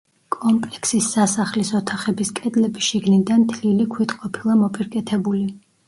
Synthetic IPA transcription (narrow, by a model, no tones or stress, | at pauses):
kʼɔmpʼlɛksisːasaχlisɔt̪ʰaχɛbiskʼɛd̪lɛbiʃiɡnid̪ant̪ʰlilikʰwit̪qʼɔpʰilˠamɔpʼiɾkʼɛt̪ʰɛbuli